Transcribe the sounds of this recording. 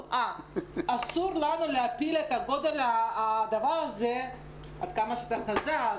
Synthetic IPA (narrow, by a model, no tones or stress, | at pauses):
ʔaasuʁlanuleapilet̪aɡo̞d̪e̞laːd̪avaʁaze | a̰d̪kamaʃeat̪aχazal